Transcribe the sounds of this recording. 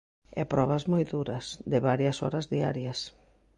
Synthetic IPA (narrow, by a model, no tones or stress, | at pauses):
ɛ̰pɾɔβɐzmɔjðuɾɐsd̪ɪβaɾjɐsɔ̰ɾɐzðia̰ɾjɐs